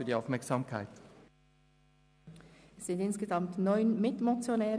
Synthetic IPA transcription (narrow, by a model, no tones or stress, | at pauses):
yːɐdiːaʊfmɛɐksaːmkʰaɪt | ɛsːɪndɪnsɡ̥əzɑmtnɔʏnmɪtmot͡sjonɛː